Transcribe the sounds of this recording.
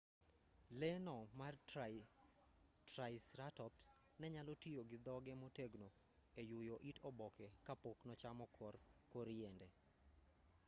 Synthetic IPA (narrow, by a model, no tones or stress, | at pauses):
lɛnɔmar | tɾaɪsɾatɔps | nɛɲalɔtioɡɪd̪ɔɡɛmoteɡno | ejʊjɔʔitʰɔbɔkɛkapoknɔt͡ʃamɔkʰɔrkoɾiendɛ